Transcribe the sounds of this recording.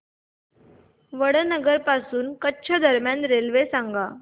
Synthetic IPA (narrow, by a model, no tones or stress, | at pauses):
ʋəɽənəɡəɾpasuːnkətːɕʰəd̪ʱəɾmjanɾelʋesãŋɡa